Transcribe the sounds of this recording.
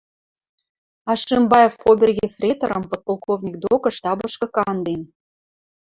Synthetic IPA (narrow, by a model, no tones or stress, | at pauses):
ɑʃembɑjefːobʲerɣʲefrʲet̪o̰ɾə̆mpot̪̚polˠkovnʲik̚d̪okɤ̆ʃt̪ɑbɤ̆ʃkɤ̆kɑnd̪en